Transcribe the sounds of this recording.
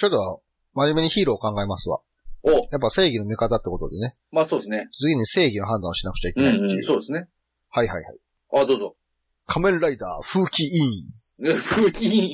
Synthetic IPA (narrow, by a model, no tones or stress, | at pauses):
t͡ɕot̪ːoβa | maʑime̞ɲiçiːɾo̞ːkãŋɡaemasɨβa̰ | ojap̬ːase̞ːɡʲino̞mʲikat̪at̪ːekot̪o̞̰d̪e̞ne̞ | maːsoːd̪esneɨɡʲiɲ̟ise̞ːɡʲino̞ɦãnd̪ãɕinakɯ̟t͡ɕaikenãit̪ːsoːd̪esɨne̞ | haiha̰iha̰i | aːd̪oːzo | kʰamẽ̞nɾaid̪aːɸɯ̟ːkʲiĩ | ɸɯːkʲiĩ